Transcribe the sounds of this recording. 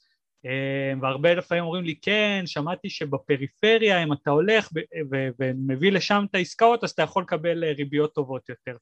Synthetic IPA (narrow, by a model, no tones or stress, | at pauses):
emveaʁbelafaimomʁimlikenʃamat̪iʃe̞bape̞ʁife̞ʁjaimat̪ao̞le̞χbevevemevile̞ʃamt̪aiskao̞t̪azat̪ajaχo̞lekabe̞leʁibijo̞t̪ːo̞vo̞t̪jo̞t̪e̞ʁ